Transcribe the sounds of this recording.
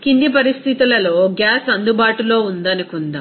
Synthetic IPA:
kind̪ip̬ɐɾist̪ʰit̪ilɐloːɡjaːsɐnd̪ubaːʈulo̞ːund̪ɐnikund̪a

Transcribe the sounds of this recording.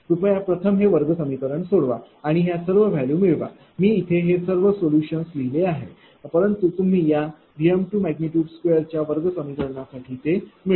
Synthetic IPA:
pupajapɾət̪ʰəmɦeʋəɾɡəsəmikəɾəɳsoɽʋa̰ | aɽ̃iɦjasəɾʋəɡʱjalũːmiɭʋa̰ | miːit̪ʰeɦesəɾʋəsoljuɕənsliɦileaɦe | pəɾənt̪ut̪um̤iːja | ɡijəmʈuːmæɡniʈjuːɖskʋejəɾt͡ɕjaʋəɾɡəsəmikəɾɳjasaʈʰiːt̪emi

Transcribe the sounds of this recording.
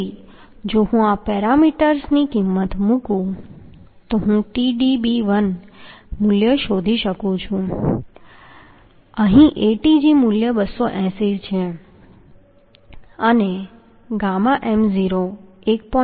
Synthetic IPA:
i | d͡ʒoɦũapɛɾamiʈəɾsnikimːət̪mũkũ | t̪oɦũʈiɖibiʋən | muljəʃod̪ʱiʃəkũt͡ʃʰũ | əɦĩʔeʈid͡ʒimuljəbəsːoʔɛ̃siɾt͡ʃʰe | əne | ɡamaʔemziɾoek̚pɔ

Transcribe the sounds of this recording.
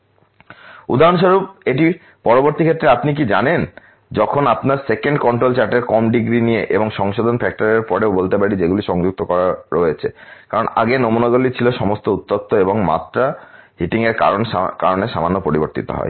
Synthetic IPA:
ud̪ʱaɾonʃoɾub̚eʈi | pɔɾoboɾt̪ikʰet̪ːɾeapnik̬id͡ʑanen | d͡ʑɔkʰonapnaɾsekeɳɖkɔɳʈɾolt͡ɕaɾʈeɾkɔmɖiɡɾinijeʔeboŋʃɔŋʃod̪ʱonfɛk̚ʈaɾeɾpɔɾeobolt̪epaɽid͡ʑeɡuliʃɔŋd͡ʑuk̚t̪okɔɾaɾoet͡ɕʰekaɾona̰ɡenomunaɡolit͡ɕʰiloʃɔmost̪out̪ːot̪ːoeboŋma̰t̪ːɾaɦiʈiŋeɾka̰ɾon̰kaɾoneʃamanːopoɾiboɾt̪ḭt̪o̰ɦɔ̰e

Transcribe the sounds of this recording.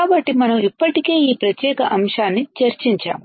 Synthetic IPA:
aːbɐʈːimɐnɐmipːɐʈike̞ːiːpɾɐt̪jɛːkɐʔɐmʂaːnːit͡ʃɐɾt͡ʃiɲt͡ʃa̰ːmu

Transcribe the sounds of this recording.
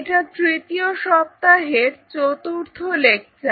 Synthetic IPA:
ʈat̪ɾit̪ioʃɔp̚t̪aɦeɾt͡ɕot̪uɾt̪ʰolek̚t͡ɕʰe

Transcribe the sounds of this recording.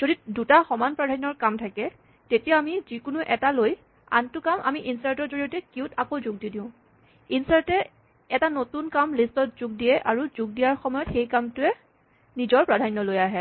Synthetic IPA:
z̥odidutaxɔmanpɹadʱanːɔɹkamtʰakɛ | tetijaamizikʊnuʔɛtaloj | a̰ntʊkamʔa̰miʔinsaɹtɔɹzoɹijɔtɛkiʊtakozʊɡ̚didiʊ̃ | insaɹtɛ | ɛtanotunkamlistɔt̚zʊɡ̚dijɛʔaɹuzʊɡ̚dijaɹxɔmɔjɔtxejkamtʊɛ | nizɔɹpɹadʱanːɔlojaɦɛ

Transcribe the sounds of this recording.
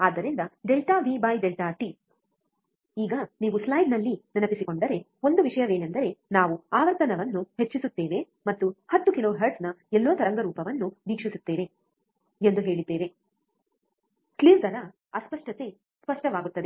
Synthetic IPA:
aːd̪ːɐɾind̪ɐɖelʈaːʋiːbɐjɖelʈaːʈi | iːɡɐniːʋuslɐjɖnɐlːinɐnɐpisiko̞ɳɖɐɾe̞ | o̞nd̪uʋiʂɐjɐʋe̞ːnend̪ɐɾe̞naːʋuaːʋɐɾt̪ɐnɐʋɐnːuhe̞t͡ʃːisut̪ːeːʋe̞ | mɐt̪ːuhɐt̪ːukiloːɦeɾɖsnɐɛlːuʋɐt̪ɐɾɐŋɡɐɾuːpɐʋɐnːuʋiːkʂisut̪ːeːʋe̞ | end̪uɦe̞ːɭid̪ːeːʋe̞ | kliːɾd̪ɐɾɐ | ɐspɐʂʈɐt̪e̞ | spɐʂʈɐʋaːɡut̪ːɐd̪e

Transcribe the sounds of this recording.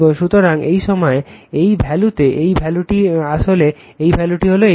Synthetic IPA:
oʃut̪oɾaŋejʃɔmɔeejbʱɛlut̪eʔejbʱɛluʈiaʃole | ejbʱɛluʈiɦoloe

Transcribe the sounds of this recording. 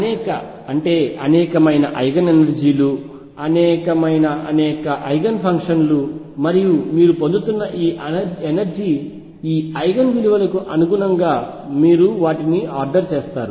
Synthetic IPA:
ɐnɛːkɐ | ɐɳʈe̞ːɐnɛːkɐmɐjnɐʔɐjɡɐnenɐɾd͡ʒiːlu | ɐnɛːkɐmɐjnɐʔɐnɛːkɐʔɐjɡɐnpʰɐŋkʂɐnlu | mɐɾijumiːɾupond̪ut̪unːɐʔiːʔenɐɾd͡ʒiː | iːɐjɡɐnʋiliʋɐlɐkuʔɐnuɡunɐŋɡaː | miːɾuʋaːʈiniaːɾɖɐɾt͡ʃeːst̪aːɾu

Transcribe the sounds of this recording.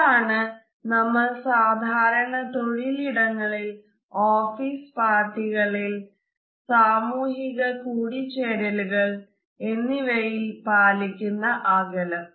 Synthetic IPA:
aːɳɨ | nɐmːɐɭsaːd̪ʱaːɾɐɳɐt̪oɻiliɽɐŋːɐɭil | oːfiːspaːrʈːiɣɐɭil | saːmuːɦiɣɐkuːɽit͡ɕeːɾɐluɣɐɭ | e̞nːiʋɐjilpaːlikʲːunːɐʔɐɡɐlɐm

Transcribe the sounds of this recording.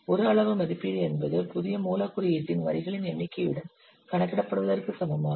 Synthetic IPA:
ɔɾaːɭɐʋɯmɐðɪpːiɽɯɛnbɐðɯpʊðɪjɐmuːlaːkːɯɾɐjɪʈ̪ːɪnʋɐ̰ɾɪɣɐɭɪnɛɳːɪkːɐʋɪɽɐm | kɐɳɐkːɪɽɐpːɐɽɯʋɐðɐrkɯsɐmɐmaː

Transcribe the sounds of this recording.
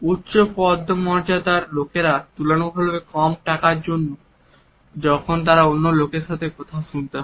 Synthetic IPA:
ut̪ːɕopɔd̪ʱːomɔɾd͡ʑad̪aɾlokeɾat̪ulonobʱolbekɔmʈakaɾd͡ʑonːo | d͡ʑɔkʰont̪̬aɾaonːolokeɾʃat̪ʰekɔt̪ʰaoʃunt̪eɦ

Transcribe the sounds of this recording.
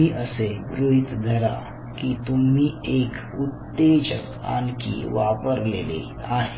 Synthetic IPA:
iːʔəsebɾuɦit̪d̪ʱəɾa̰ | kit̪umiːek | ut̪ːed͡ʑə̰k | a̰nkḭʋapəɾlḛlḛ | aɦe

